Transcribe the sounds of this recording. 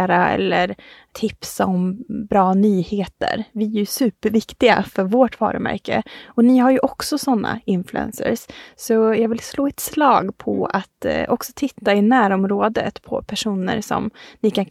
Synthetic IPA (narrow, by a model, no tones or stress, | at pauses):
ɾaɛ̰lːəɾ | t̪ʰɪpsaɔmbɾɑːnyːheːt̪ə̰ɾvɪæsʉ̟ːpəɾvɪkt̪ɪɡa̰fœɾvoːʈvɑ̰ːɾəmæ̰ɾkəɔnɪːɦaɾjɵʔɔksɔsɔnːa̰ɪnflʉɛ̰nsə̰ɾssɔjɑːɡvɪlsloːɛt̪slɑːɡpʰɔ̰at̪ɔksɔ̥t̪ʰɪt̪ːaɪnæːɾɔmɾoːd̪ə̰t̪pʰɔ̰pʰæʂuːnə̰ɾsɔ̰mnɪkʰan